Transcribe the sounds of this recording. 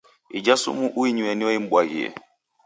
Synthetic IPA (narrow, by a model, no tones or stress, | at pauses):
id͡ʒasṵmuʔuiɲuɛniwaim̩bwaɣḭɛ̰